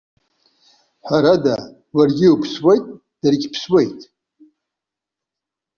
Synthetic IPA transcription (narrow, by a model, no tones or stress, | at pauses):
ħʷaɾada | warɡʲɪupʰswejtʼ | d̥arɡʲpʰswe̞jtʼ